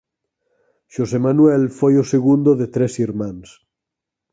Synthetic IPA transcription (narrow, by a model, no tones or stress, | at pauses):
ʃosemanwelfojoseɣund̪oðet̪ɾesiɾmãns